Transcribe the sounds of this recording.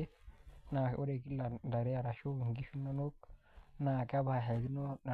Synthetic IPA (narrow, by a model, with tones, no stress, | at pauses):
e˦na˨o̰˦ɾe˨ki˦la˨nda˨ɾe˦a˨ɾa˨ʃo˦˨ŋ˨ɡi˦ʃu˦nːo˦no˦k̚ | na˨ka˦ba˨a˨ɦa˨di˦no˦na˨